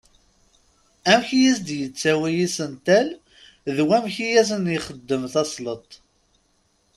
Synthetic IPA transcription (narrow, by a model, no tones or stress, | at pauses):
æmçjisd̪jət͡sːæwæjisənt̪æl | ðwæmçijæs̬ənjiχəd̪ːəmθɑsˤlət̪ˤ